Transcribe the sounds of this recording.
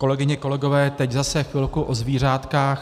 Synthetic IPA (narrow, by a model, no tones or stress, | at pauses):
ko̞lɛɡɪɲɛko̞lɛɡo̞vɛːt̪ɛczasɛxfɪlkuʔozviːr̝aːt̪kaːx